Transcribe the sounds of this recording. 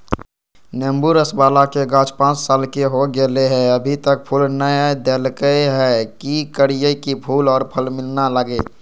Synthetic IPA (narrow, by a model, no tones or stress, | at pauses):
nembuɾəsbaːlakeɡãːt͡ʃpãːt͡ʃsaːlkeɦoɡeleɦɛəbʱit̪ək̚pʰulnəjd̪elkəɦɛkikəɽijəkipʰuːlɔːɾpʰəlmɪlnaləɡe